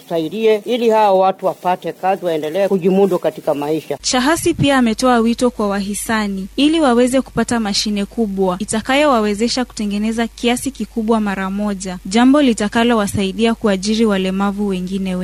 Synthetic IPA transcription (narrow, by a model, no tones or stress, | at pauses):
saiɗiɛilihaɔwatuwapatɛkaziwaɛndɛlɛɛkuʄimudukatikamaiʃat͡ʃaɦasipiaːmɛtɔawitɔkwawaɦisaniiliwawɛzɛku̥patamaʃinɛkuɓwaitakajɔwawɛzɛʃaku̥tɛŋɡɛnɛzakiasikikuɓwamaɾamɔʄaʄambɔlitakalɔwasaiɗiakuaʄiɾiwalɛmavuwɛŋɡinɛwɛ